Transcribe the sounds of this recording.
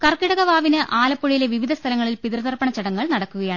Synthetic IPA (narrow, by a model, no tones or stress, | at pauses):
kɐrkiɽɐɣɐʋaːʋinɨʔaːlɐpːoɭijile̞ʋiʋid̪ʱɐst̪ʰɐlɐŋːɐɭilpiðrɐðɐrpɐɳɐt͡ɕːɐɽɐŋːɐɭnɐɽɐkːuɣɐjaːɳɨ